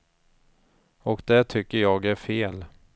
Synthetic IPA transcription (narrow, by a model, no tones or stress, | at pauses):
ɔkd̪ɛt̪ʰʏkːəɾjɑːɡæɾfeːl